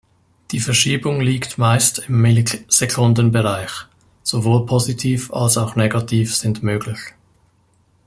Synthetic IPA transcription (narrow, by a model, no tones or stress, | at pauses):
d̥iːfɛɐʃiːbʊŋliːktmaɪstɪmːɪlz̥ekʰʊndənbəʁaɪç | z̥ovoːlpʰozitʰiːfa̰lsaʊxneːɡatʰiːfz̥ɪntmøːɡlɪç